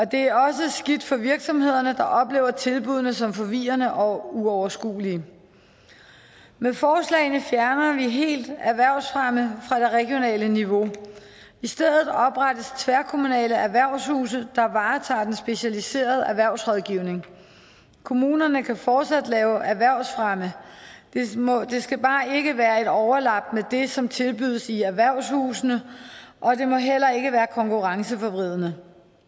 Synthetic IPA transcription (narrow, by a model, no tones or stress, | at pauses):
ɒ̽d̥e̝æɐɒ̽s̬əsɡ̥id̥fɒ̽ʋiɐɡ̥sɒ̽mhe̝ð̞̰ˠɐnəd̥ɑ̈ʔɒ̽b̥le̝̰ːʊɐt͡sʰe̝lb̥uð̞ˠnəsɒ̽mfɒ̽ʋḭːɐnəʔɒ̽uɒʊɐsɡ̥ṵːliə | mefɒːslɛ̰ɪnəfjæɐnɐʋiɦe̝̰ːld̥æɐʋæɐʊ̰sfʁɑməfʁɑ̈d̥e̝ʁɛɡ̥jo̝nɛ̰ːləniʋo̝ | isd̥eðˠð̩ˠɒ̽b̥ʁadəst͡sʰʋæɐkʰo̝munɛ̰ːləæɐʋæɐ̰ʊ̰shṵːsəd̥ɑ̈ʋɑ̈ːt͡sʰɑ̰̈ːd̥ensb̥e̝ɕælise̝̰ːɐð̞ˠəæʋæɐ̰ʊsʁɔðˠɡ̥iːʊne̝ŋ | kʰo̝muːnɐnəkʰæfɒːd̥sæd̥lɛːʊʔæʋæɐʊ̰sfʁɑməd̥emɒd̥e̝sɡ̥æb̥ɑ̈ːe̝ɡ̥əʋæːɐe̝d̥ɒʊɐlɑ̈b̥̚med̥e̝sɒ̽mt͡sʰe̝lb̥yð̞̰ˠəsiæʋæɐ̰ʊ̰shṵːsnəʔɒ̽d̥e̝mɒ̽ɦel̰ɐe̝ɡ̥əʋæːɐkʰɒ̽ŋkʰuʁɑ̈ŋsəfɒb̥ʁið̞̰ˠnə